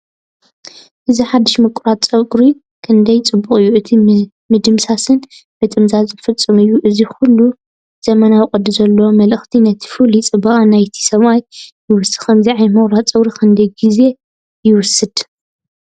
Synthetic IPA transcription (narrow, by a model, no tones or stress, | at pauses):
ʔɨziħad̪ːɨʃmɨkʼʊɾat̪t͡sʼɐkʼɾi | kʰɨnd̪ɐjt͡sʼɨbːukʼɨjːuʕɨt̪ʰi | mɨd̪ɨmsasɨn | bɨt̪ʼɨmzazɨfɨt͡sʼːɨmɨjːuʔɨzixulːu | z̥ɐmɐnawɨkʼɐd̪ɨzɐlːmɐlɨxt̪ʰinɐt̪ʰi̥fulit͡sʼɨbɐχʼanajt̪ʰi̥sɐβajː | ɪwʊsɨ̥kʰɐmziʕajmɐɣɾat͡sʼɨwɾikʰɨnd̪ɐjɡize̞ | jɪwʊsɨd̪̥